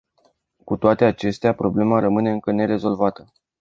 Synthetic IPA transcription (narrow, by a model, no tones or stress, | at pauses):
kut̪oat̪e̞at͡ʃe̞st̪eapɾo̞ble̞maɾəmɨne̞ɨŋkəne̞ɾe̞zo̞lvat̪ə